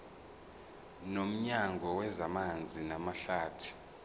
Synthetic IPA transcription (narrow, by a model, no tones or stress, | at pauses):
nom̩ɲaŋɡʱɔwɛzamand͡zʱinamaɬaːtʰu̥